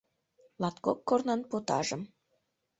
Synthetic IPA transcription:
lɑt̪kokːornɑnpot̪ɑ̰ʒə̆m

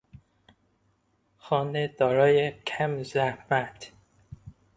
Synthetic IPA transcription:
xɒːned̪̥ɒːɾɒːjecʰæmzæhmæt̪

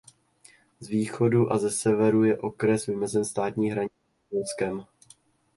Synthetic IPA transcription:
zviːxo̞duʔazɛsɛvɛɾujɛʔo̞kɾɛsvɪmɛzɛnst̪aːt̪ɲiːɦɾaɲɪ | olskɛm

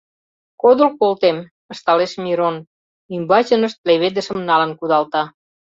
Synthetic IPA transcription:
kod̪olkolt̪em | ə̆ʃt̪ɑleʃmʲiɾon | ymbɑt͡ɕə̆nə̆ʃt̪̚leβed̪ə̆ʃə̆mnɑlə̆nkud̪ɑlt̪ɑ

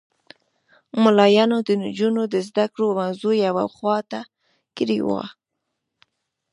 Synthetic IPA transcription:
mʊlɑjɑnod̪ənd͡ʒunod̪əzd̪akɽomawzujawawχwɑt̪a | kɾiwɑ̰

